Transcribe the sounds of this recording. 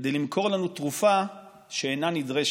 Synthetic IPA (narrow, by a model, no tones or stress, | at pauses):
d̪e̞jlimkʰo̞ʁlanut̪ʁufa | ʃeenanid̪ʁeʃ